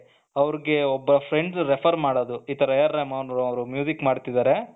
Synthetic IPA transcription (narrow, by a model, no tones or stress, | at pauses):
ɐʋɾiɡe̞ɔbːɐɾɐpʰɾeɳɖsɾepʰɐɾmaːɽoːd̪uiːt̪ɐɾɐjɐɾːɐmawɳɾuɐʋɾumjuːzikmaːɖt̪id̪aːɾe̞